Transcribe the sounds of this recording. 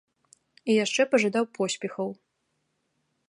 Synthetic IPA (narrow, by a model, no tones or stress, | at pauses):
ijaʂt͡ʂɛpɐʐad̪awpʰɔsʲpʲɛxɐw